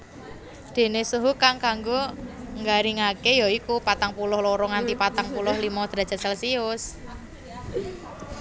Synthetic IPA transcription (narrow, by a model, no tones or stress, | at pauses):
d̪̥e̤nesuɦukaŋkaŋɡoŋɡaɾiŋakejɔikupat̪aŋpulʊhloɾɔŋant̪ipat̪aŋpulʊhlimɔd̪̥ɾa̤dd͡ʒ̥a̤sɛlsiʊs